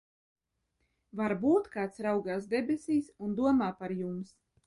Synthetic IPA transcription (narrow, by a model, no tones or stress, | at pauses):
vaɾbuːt̪kaːt̪sɾawɡaːsd̪ɛbʲesʲiːsund̪uɔmaːpaɾjums